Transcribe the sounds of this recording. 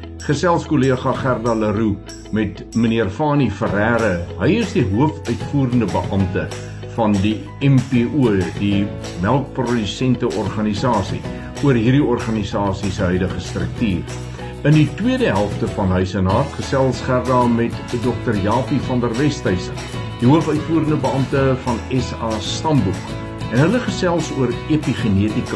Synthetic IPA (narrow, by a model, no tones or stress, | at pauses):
χəsælˠskoliəχɐχærdɑləɾu | mɛt | məniərfɑːnifəɾæːɾəɦəjəsdiɦuəfœɥtfuːɾəndəbəʔɐmtə | fɐndi | ɛmpeʔuədi | mælˠk̚prɔdysɛntəʔɔrχɐnisɑːsi | uərɦiːrdiɔrχɐnisɑːsisəɦœɥdəχəstrək̚tiːr | ənditwiədəɦælˠftəfɐnɦœɥsənɑːrtχəsælˠsχærdɑːmɛtdɔk̚tərjɑːpifɐndərvɛstɐjsə | d̥iɦuəfœɥtfuːəɾəndəbəɐmtəfɐnɛsɑːstɐmbuk | ɛnɦələχəsɛlˠsuəɾepiχeniətik